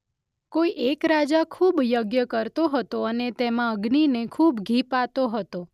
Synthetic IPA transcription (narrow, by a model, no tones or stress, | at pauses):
koiʔekɾad͡ʒakʰubjoɡjəkəɾt̪oɦət̪oənet̪ɛmãəɡninekʰubɡʱipat̪oɦət̪o